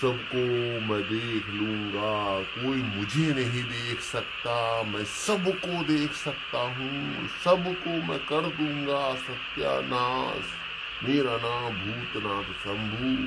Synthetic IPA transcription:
sɐbkomɛ̃d̪eːkʰlũːŋɡakoːimʊd͡ʒʱenɐɦĩd̪eːkʰsɐkt̪amɛ̃ːsɐbkod̪eːkʰsɐkt̪aɦũ | sɐbkomɛ̃kɐɾd̪ũːŋɡasɐt̪ja̰ːnaːs | meːɾaːnãːbʱuːt̪naːt̪sɐ̃mbʱuː

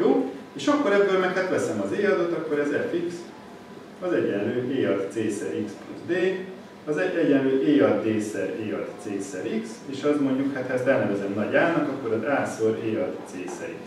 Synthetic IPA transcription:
joːeːʃɒkːo̞ɾɛbːøːlmɛkhat̪ʋɛsɛmɒzeːɒd̪o̞t̪ɒkːo̞ɾɛzɛfiks | ɒzɛɟɛnløːʔeːɒd̪t̪seːsɛɾikspluzd̪eː | ɒzɛɛɟɛnløːʔeːɒd̪ːeːsɛreːɒt̪seːsɛɾikseːʃɒzmo̞ɲɟukhat̪hɒɛst̪ɛlnɛvɛzɛmnɒɟaːnɒkɒkːo̞ɾɒzaːsoɾeːɒd̪seːsɛ̰ɾḭ

